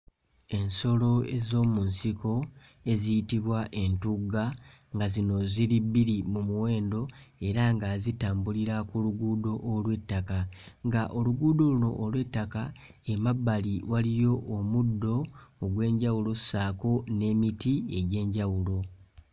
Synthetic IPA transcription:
e̞nso̞lo̞e̞zo̞ːmunsiko̞ | e̞zijitiβwaʔe̞ntuɡa | ŋɡazino̞ziɾibːiɾimumuwe̞ːndo̞e̞ɾaŋɡazitaːmbuliɾakuluɡuːdo̞ʔːlwe̞tːakaŋɡaʔo̞luɡuːdo̞luno̞̰ʔːlwe̞tːaka | e̞mabːaliwalijo̞ːmudːo̞ːɡwe̞ːɲɟawulo̞ssaːko̞ne̞ːmitie̞ɟe̞ːɲɟawulo̞

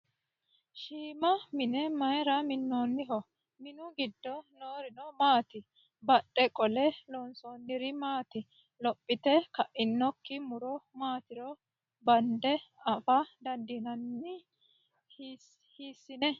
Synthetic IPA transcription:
ʃiːmɐmɪnɛmɐjɾɐmɪnːoːnːɪɦɔ | mɪnʊɡɪd̪ːɔnoːɾɪnɔmaːt̪ɪ | bɐɗːɛkʼɔlɛlɔnsoːnːɪɾɪmaːt̪ɪ | lɔpʼːɪt̪ɛkɐʔʔɪnːɔkːɪmʊɾɔmaːt̪ɪɾɔ | bɐnd̪ɛɐfɐd̪ɐnd̪ɪnɐnːɪ | h | hiːsːɪnɛ

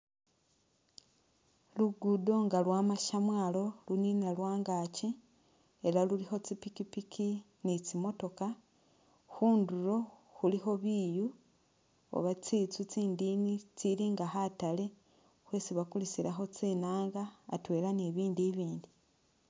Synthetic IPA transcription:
luɡudo̞ŋɡalwaːmaʃamwaːlo̞luninalwaːŋɡaci | e̞ɾalulixo̞t͡sipikipikʰi | nit͡simo̞to̞ka | xuːnduɾo̞xulixo̞βiːju | o̰βat͡sit͡sut͡siːndiːnit͡siɾiːŋɡahatale̞ | xwe̞ːt͡siβakulisiɾaxo̞t͡siːnaːŋɡa̰ːtwe̞ːɾaneβiːndiβiːndi

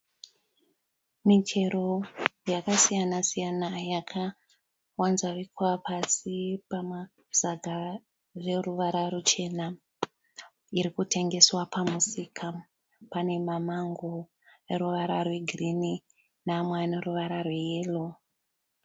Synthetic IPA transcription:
mitʰe̞ɾo̞jakasijanasijanajakʰa | wanzaʋikwapasipama | z̥aɡʱa | re̞ruʋaɾarut͡ʃe̞na | iɾikute̞ŋɡe̞swapamusikʰa | pane̞mamaŋɡo | eɾuʋaɾarwe̞ɡʱrini | namwaneruʋaɾarwejeːlo

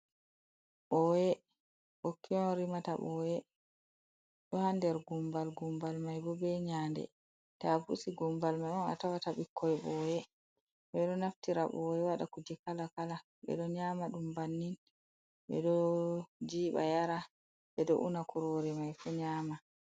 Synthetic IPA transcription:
ɓɔjɛ | ɓokːiɲɔnɾimata̰ɓɔjɛ | ɗɔhandɛɾɡumbalɡumbalmajbɔbɛɲandɛ̰ | tabṵsiɡumbalmajɔna̰tawataɓikʰːɔɛɓɔjɛ | ɓɛɗɔnaftiɾaɓɔjɛwaɗakud͡ʒɛkalakala | ɓɛ̰ɗɔɲaːmaɗumbanːin | ɓɛ̰ɗɔ | d͡ʒiːɓa̰jaɾa | ɓɛɗɔ̰ʔunakuɾoɾɛmajfuɲaːma

